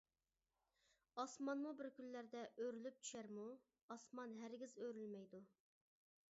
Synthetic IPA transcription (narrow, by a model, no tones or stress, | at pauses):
ɑsmɑnmubɪɾkʲylːæɾd̪ɛʔøɾylyp̚t͡ʃʰy̥ʃæɾmu | ɑsmɑnɦæɾɡʲizøɾylmɛjd̪u